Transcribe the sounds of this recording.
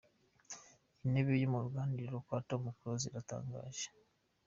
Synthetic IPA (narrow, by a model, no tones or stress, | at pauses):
ineβijomuɾɡaːndiɾokwaːtomukuɾoziɾata̰ːŋɡa̰ːʒe̥